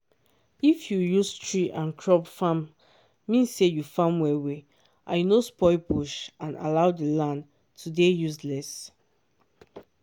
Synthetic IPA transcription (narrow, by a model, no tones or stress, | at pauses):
ifjujustɹiʔãnkʰɹɔbfãmː | ĩnsːejufãmwɛwe | ʔã̰junospɔɪbuʃãna̰laʊdilãn | tʰudejuslɛs